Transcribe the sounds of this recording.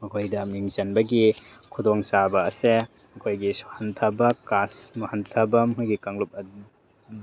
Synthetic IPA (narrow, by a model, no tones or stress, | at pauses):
mɐkʰojdɐmiŋzɐnbɐɡi | kʰudɔŋsabɐːse | mɐkʰojɡishɐntʰɐbɐkasmɐhɐntʰɐbɐmɦojɡikaŋlup̚ɐ